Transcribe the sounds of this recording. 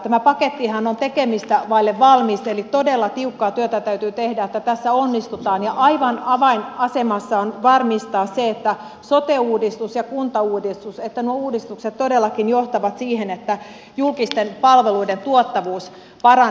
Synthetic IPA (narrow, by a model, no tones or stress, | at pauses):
t̪æmæpɑket̪ːihɑnont̪ekemist̪æʋɑilːeʋʋɑlmist̪elit̪odelːɑt̪iukːɑːt̪yøt̪æt̪æyt̪yːt̪ehdæet̪ːæt̪æsːæonːist̪ut̪ɑːnjɑʔɑiʋɑnɑʋɑinɑsemɑsːɑonʋɑrmist̪ɑːsseet̪ːæ | sot̪euːdist̪usjɑkunt̪ɑuːdist̪uset̪ːænuouːdist̪ukset̪t̪odelːɑkinjoht̪ɑʋɑt̪siːhenet̪ːæ | julkist̪enpɑlʋeluident̪uot̪ːɑʋuːs | pɑrɑ